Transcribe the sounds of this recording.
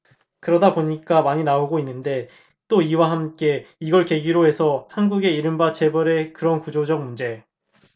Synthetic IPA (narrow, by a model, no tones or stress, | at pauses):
kɯɾʌdaboɲik͈amaɲinaoɡoinːɯnde̞ | t͈oiwaɦamk͈e̞iɡʌɭke̞ɡiɾoɦe̞sʰʌhanɡuɡe̞iɾɯmbat͡ɕe̞bʌɾe̞kɯɾʌnkud͡ʑod͡ʑʌk̚mund͡ʑe̞